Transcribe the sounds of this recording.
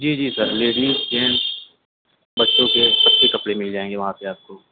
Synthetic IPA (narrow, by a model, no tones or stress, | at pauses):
d͡ʒiːd͡ʒiːsɐɾleːɖiːzd͡ʒeːns | bɐtːʃõkesɐbsekɐpɽemɪld͡ʒaːẽːŋɡeʋɐɦãpeaːp̚ko